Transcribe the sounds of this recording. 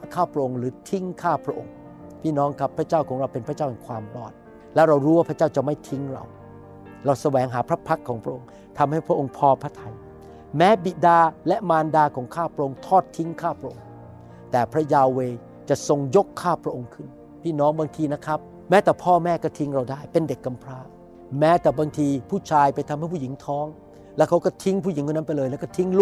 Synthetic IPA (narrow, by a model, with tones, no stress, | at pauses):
kʰaː˥˩pʰɾa˧ʔo˧ŋɾɯː˩˦t̪ʰi˦˥ŋkʰaː˥˩pʰɾa˦˥ʔo̰˧ŋ | pʰiː˥˩nɔː˦˥ŋkʰa˦˥pʰːɾa˦˥t͡ɕaː˥˩wkʰɔː˩˦ŋɾa˧wpe˧npʰɾa˦˥t͡ɕaː˥˩whɛ˨˩kʰwaː˧mʔɔ̰ː˨˩t̪̚ | lɛ˦˥wɾa˧wɾuː˦˥waː˥˩pʰɾa˦˥t͡ɕaː˥˩wt͡ɕa˨˩ma˥˩jt̪ʰi˦˥ŋɾa̰˧w | ɾa˧wsa˧wɛː˩˦ŋɦaː˩˦pʰɾa˦˥pʰa˦˥kʰːɔː˩˦ŋpʰɾa˥ʔo˧ŋ | t̪ʰa˧mha˥˩jpʰɾa˦˥ʔo˧ŋpʰɔː˧pʰɾa˦˥˩t̪ʰa˧j | mɛː˦˥bi˨˩daː˧lɛ˦˥maː˧ndaː˧kʰɔː˩˦ŋkʰaː˥˩pʰɾa˦˥ʔo˧ŋt̪ʰɔː˥˩t̪ʰːi˦˥ŋkʰaː˥˩pʰɾa˧ʔo˧ŋ | t̪ɛː˨˩pʰɾa˦˥jaː˧weː˧ | t͡ɕa˨˩ʔso˧ŋjo˦˥kʰːaː˥˩pʰɾa˦˥ʔo˧ŋkʰɯ˥˩n | pʰiː˥˩nɔː˦˥ŋbaː˧ŋt̪ʰiː˧na˦˥kʰɾa˦˥p̚ | mɛː˦˥t̪ɛː˨˩pʰɔː˥˩mɛː˥˩kɔː˥˩t̪ʰi˦˥ŋɾa˧wdaː˥˩jpe˧nde˨˩kːa˧mpʰɾaː˧˩ | mɛː˦˥t̪ɛː˨˩baː˧ŋt̪ʰiː˧pʰuː˥˩t͡ɕʰaː˧jpa˧jt̪ʰmha˥˩jpʰu˥˩ji˩˦ŋt̪ʰɔː˦˥ŋ | lɛ˦˥˩kʰa˦˥wkɔː˥˩t̪ʰi˦˥ŋpʰuː˥˩ji˨˩˦ŋkʰuː˥˧˩n˦˥˩pa˧jlɤː˧jlɛ˦˥˩kɔː˥˩t̪ʰi˦˥ŋlu˥˩